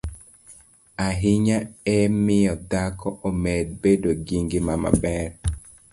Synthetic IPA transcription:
aɦɪɲaɛmɪjɔd̪akɔʔomed̚bedoɡiŋɡɪmama̰bɛɾ

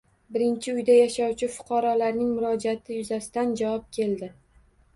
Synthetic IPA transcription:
bɪɾɪnt͡ʃʰɪʊjd̪ajaʃawt͡ʃʰɪfʊ̥qʰɑɾɒlaɾnɪŋmʊɾɒd͡ʒat̪ʰɪjʊzasɪ̥d̪and͡ʒawɒp̚kʲʰe̞ld̪ɪ

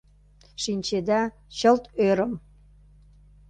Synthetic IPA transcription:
ʃinʲt͡ɕed̪æ | t͡ɕəlt̪øɾəm

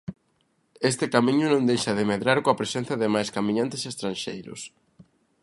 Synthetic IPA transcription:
est̪ɪkamĩɲʊnõnd̪ejʃɐðɪmeðɾaɾkoapɾesenθɐðɪmajskamĩɲãnt̪ɪsest̪ɾanʃejɾʊ̰s

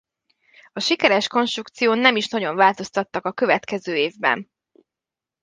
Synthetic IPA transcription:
ɒʃikɛɾɛʃko̞nʃt̪rukt̪sijoːnːɛmiʃnɒɟo̞ɱvaːlt̪o̞st̪ɒt̪ːɒkɒkø̞vɛt̪kɛzøːeːvbɛ̰n

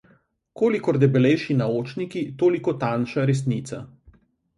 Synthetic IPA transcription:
koːlikɔɾd̪ɛbɛlɛjʃinaoːt͡ʃnikit̪oːlikɔt̪anʃaɾɛs̬niːt̪sa

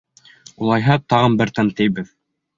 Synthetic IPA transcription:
ulˠɑjɦɑt̪ɑʁɤnbɘɾt̪ænt̪ɘ̆jbɘð

